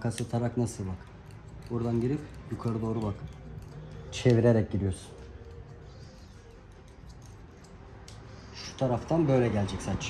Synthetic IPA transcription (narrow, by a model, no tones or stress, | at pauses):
kʰasɯt̪ʰaɾaknasɯlbak | buɾd̪anɟiɾipjukʰaɾɯd̪o̞ːɾubak | t͡ʃʰeviɾeɾɛc̚ɟid̪ijoɾsu̥n | ʃu̥t̪ʰaɾaft̪ʰanbø̞jlʲɛɟælʲd͡ʒɛcʲsat͡ʃː